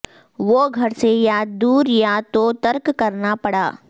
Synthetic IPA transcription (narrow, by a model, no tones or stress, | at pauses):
ʋoːɡʱɐɾsejaːd̪d̪uːɾjat̪ot̪ɐɾkkɐɾnapɐɽa̰ː